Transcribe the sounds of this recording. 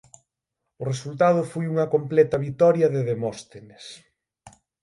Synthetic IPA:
ʊresult̪að̞ʊfojuŋɐkomplɛt̪ɐβit̪ɔɾjɐðɪðemɔst̪enes

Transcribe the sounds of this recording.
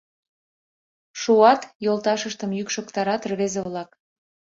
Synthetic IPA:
ʃuɑt̪jolt̪ɑʃəʃt̪ə̆mjykʃokt̪ɑɾɑt̪rβezeβlɑk

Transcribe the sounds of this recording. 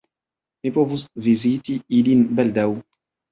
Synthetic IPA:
mipɔvusvizit̪iilinbald̪aw

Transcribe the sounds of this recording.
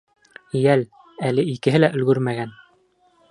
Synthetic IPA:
jæl | ælɘikɘ̆ɦɘlæʔɵ̆lɡɵɾmæɡæn

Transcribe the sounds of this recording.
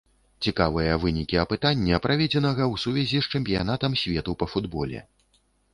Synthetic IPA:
t͡sʲikavɨjɐvɨnʲikʲiɐpɨt̪anʲːɛpɾavʲɛd͡zʲɛnɐɣɐwsuvʲɛzʲist͡ʂɛmʲpʲijanat̪ɐmsʲvʲɛt̪upɐfud̪bɔlʲɛ̰

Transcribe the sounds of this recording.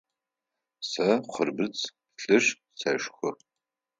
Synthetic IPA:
sɐχʷʊrbɨt͡sʼ | ɬɨɕ | sɐʃxʷʊ

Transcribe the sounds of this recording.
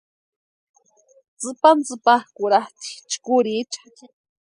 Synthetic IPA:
t͡sɨpant͡sɨpahkuɾaht̪i̥t͡ʃkuɾit͡ʃḁ

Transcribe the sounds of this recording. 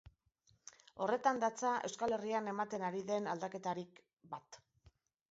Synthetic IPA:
o̞re̞t̪and̪at͡saʔe̞wskale̞riane̞mat̪e̞naɾiðe̞nald̪ake̞t̪aɾik | bat̪

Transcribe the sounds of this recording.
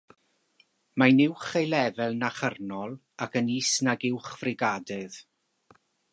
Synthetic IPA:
majnɪwχejlˠɛvɛlˠnaχərnɔlˠ | akəniːsnaɡɪwχvrɪɡadɨð̥

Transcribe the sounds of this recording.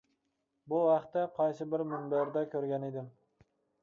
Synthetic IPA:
bʊvɑqt̪ːaqʰɒjsɪbɪɾmʊnbeɾd̪akʲʰɵɾɡʲaned̪ɪm

